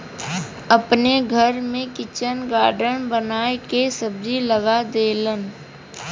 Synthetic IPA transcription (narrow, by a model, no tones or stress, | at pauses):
əpneɡʱəɾmẽkɪt͡ʃənɡaːɖəɳbənaːekesəb̚d͡ʒiləɡad̪eːlən